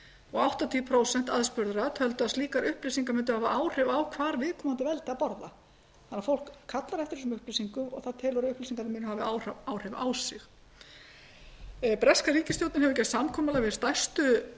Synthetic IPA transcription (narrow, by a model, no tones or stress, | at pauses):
ɔɣawht̪at̪ʰiːpʰɾoːwsɛn̥t̪aðspʏɾðɾat̪ʰœlt̪ʏaðst̪iːkaɾʏhplisiŋkamʏnt̪̬ʏhaːvaʔaːwr̥ɛvawkʰvaːɾvɪːðkʰɔːmant̪ɪvɛlt̪ɪaðpɔɾða̰ | θanːafowl̥kʰːat̪laɾɛft̪ɪɾ̥sʏmʏhplisiŋkʏmɔ̰ɣθaðt̪ʰɛːlɔɾʏʏhplisiŋkaɾɪmʏːnʏɦavɪawawr̥ɛva̰wsɪx | pɾɛskaɾiːcɪst̪jowt̪nɪnɦɛvʏcɛsamkʰɔːmalavɪst̪ajst̪ʏ